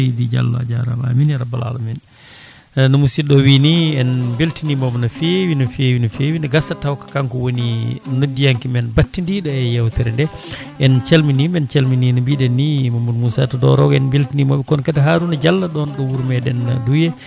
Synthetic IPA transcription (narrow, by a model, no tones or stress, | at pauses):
did͡ʒa̰lːa̰d͡ʒaɾa̰ma̰minɾabala̰lamɛn | nɔmusiɗɔwiniɛnbeltinimɔbɛnafewinɔfewinɔfewindɛɡasatawkḁkaŋkɔwoninodːijaŋkimɛnbatːindiɗɔɛjawtɛɾɛndɛ | ʔɛnt͡ʃalminimɛnt͡ʃalmininɔbiɗɛnːimamːudmusatadɔɾɔɡɔɛnbeltinimɔbɛkɔnkataɦaɾunad͡ʒalːaɗɔnɗɔwuɾmɛɗɛnːa̰dujɛ